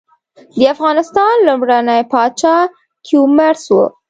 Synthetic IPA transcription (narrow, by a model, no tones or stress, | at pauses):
d̪əafɣɑnɪst̪ɑnlumɽanəjpɑt͡ʃɑ | kʰjumaɾswṵ